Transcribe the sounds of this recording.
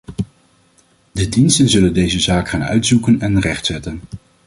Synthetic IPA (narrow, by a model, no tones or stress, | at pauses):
dədinstənzɵləndejzəzaːkχaːnœ̰ɥtsukənɛnrɛχtsɛtən